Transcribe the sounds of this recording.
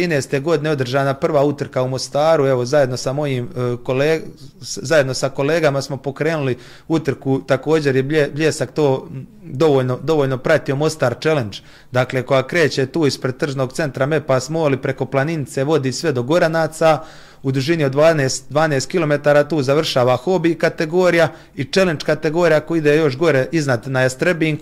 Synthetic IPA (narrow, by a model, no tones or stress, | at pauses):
iːnest̪eɡo̞d̪ine̞o̞d̪r̩ʒaːnapr̩ʋaːut̪r̩kaumo̞st̪aːɾue̞ʋo̞zaje̞d̪no̞samo̞jiːmkoleːzaje̞d̪no̞sako̞le̞ːɡamasmo̞po̞kɾe̞ːnuli | ut̪r̩kut̪ako̞ːd͡ʑe̞ɾjebebʎe̞ːsakt̪o̞ːd̪o̞ʋo̞ːʎno̞d̪o̞ʋoːʎno̞pɾat̪io̞mo̞st̪aːɾt͡ʃele̞nd͡ʒ | d̪akle̞ːko̞jaːkɾe̞ːt͡ɕet̪uːispɾed̪̚t̪r̩ʒnoɡt̪se̞nt̪ɾame̞pasmo̞ːlipɾe̞ko̞plˠaninit̪seʋo̞d̪iːsʋe̞d̪o̞ɡo̞ɾanaːt̪sa | ud̪uʒinio̞d̪ʋaːneːst̪d̪ʋaːneːst̪̚kilo̞me̞t̪aːɾaːt̪uːzaʋr̩ʃaːʋaxo̞bikat̪e̞ɡo̞ːɾija | it͡ʃele̞nt͡ʃkat̪e̞ɡo̞ːɾijakoid̪eːjo̞ʃ̬ɡo̞ɾeʔiznad̪najast̪ɾbiːŋk